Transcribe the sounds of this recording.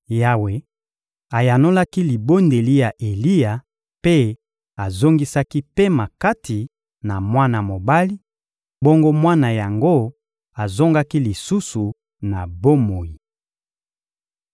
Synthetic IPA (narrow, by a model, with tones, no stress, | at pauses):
ja˦we˨ | a˨ja˨no˦la˦ki˦li˨bo˦nde˨li˦ja˨ʔe˨li˦ja˨ | pe˦ | a˨zo˦ŋɡi˦sa˦ki˦pe˦ma˨ka˦tʰi˨ | na˨mwa˦na˨mo˨ba˦li˦ | bo˦ŋɡo˦mwa˦na˨ja˨ŋɡo˦ | a˨zo˦ŋɡa˦ki˦li˨su˦su˨ | na˨bo˦mo˨ji˨